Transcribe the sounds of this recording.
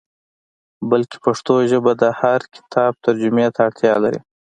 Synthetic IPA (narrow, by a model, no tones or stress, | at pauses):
bəlke̥paʂt̪oʒəbad̪əhaɾkɪ̥t̪ʰɑːb̚t̪aɾd͡ʒʊmet̪aːɽt̪ʰjɑlaɾḭ